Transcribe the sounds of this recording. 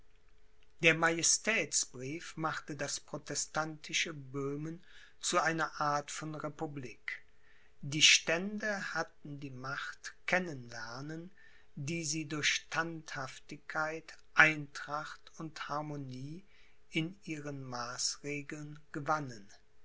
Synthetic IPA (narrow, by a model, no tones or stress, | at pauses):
d̥eːɐmajɛstʰɛːt͡sb̥ʁiːfmaχtədaspʁ̥otɛstantʰɪʃəbøːmən | t͡suʔaɪnɐʔaːɐtfɔnʁepubliːk | d̥iːʃtɛndəhatn̩diːmaχtkʰɛnənlɛɐnən | diːziːdʊɐçʃtʰanthaftɪçkʰːaɪt | ʔaɪntʁ̥aχtʊnthaɐmoniː | ɪnʔiːʁənmaːsʁeːɡl̩nɡ̥əvanən